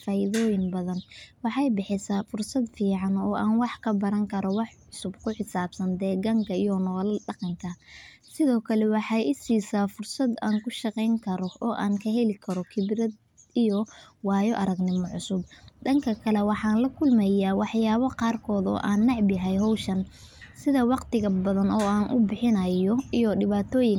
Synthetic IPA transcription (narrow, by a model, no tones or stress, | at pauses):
faːjɪðɔːjɪnbɐðɐnwɑħɑjbɪħɪsaːfʊrsɐd̪fiːʕɑnɔːʔaːnwɑħkʰɐbɐɾɐŋkʰɐɾɔwɑħʕʊsʊbkʰʊħɪsaːbsɐnd̪ɛːɡɐŋkʰɐijɔnɔːlɐɖɑqɑŋkʰɐ | sɪðɔːkʰɐlɛwɑħɑjʔɪsiːsaːfʊrsɐd̪aːŋkʰʊʃɑqɛjŋkʰɐɾɔɔːʔaːŋkʰɐɦɛlɪkʰɐɾɔkʰɪbɾɐd̪ | ijɔwɑːjɔʔɐɾɐɡnɪmɔʕʊsʊb̚d̪ɐŋkʰɐkʰɐlɛwɑħɑːnlɐkʰʊlmɛjaːwɑħjaːβɐqɑːrkʰɔːd̪ɔ̰ːʔaːnːɑʕbɪɦɛjɦɔwʃɐn | sɪðɐwɑqt̪ɪɣɐbɐðɐnɔːaːnʔʊbɪħɪnɐjɔijɔɖɪβaːt̪ʰɔːjɪŋ